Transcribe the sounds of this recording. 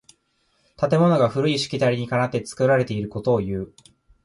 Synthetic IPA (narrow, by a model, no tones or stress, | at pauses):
t̪at̪̬e̞mo̞no̞ɡaɸɯ̟ɾɯ̟iɕi̥kʲit̪aɾʲiɲ̟ikanat̪ːet͡sɨ̥kɯ̟ɾaɾe̞t̪e̞iɾɯ̟ko̞t̪o̞ːjɯ̟ː